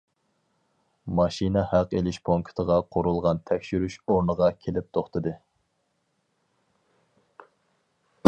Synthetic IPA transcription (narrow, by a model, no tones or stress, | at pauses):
mɑʃinɛhæqelɪʃpʰoŋkʰt̪ʰəʁɑqʰoɾulˠʁɑnt̪ʰɛkʲʃyɾyʃoɾnəʁɑkʲʰelɪp̚t̪ʰoχt̪ɨd̪ɨ